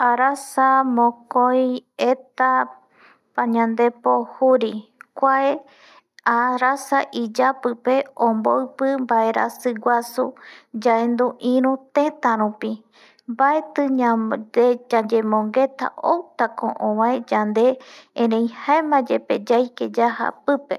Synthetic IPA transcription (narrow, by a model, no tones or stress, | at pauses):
aɾasamõkojet̪a | paɲãnd̪e̞pohuɾikʷae | aɾasaʔid͡ʒapɨpe̞õmboɨpɨmbaeɾa̰sɨɡʷasud͡ʒaend̪uʔĩɾũt̪ẽ̞t̪ãɾupi | mbaet̪ɨaed͡ʒad͡ʒemõŋɡe̞t̪a̰ʔowt̪akõ̰ʔõβãed͡ʒand̪eẽɾẽj̃haemãd͡ʒeped͡ʒajked͡ʒaha̰pɨpe